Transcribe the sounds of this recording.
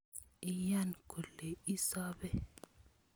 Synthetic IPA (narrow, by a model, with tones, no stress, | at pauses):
i˦ja˦nkʰu˨lɛ˨i˦sa˦bɛ˦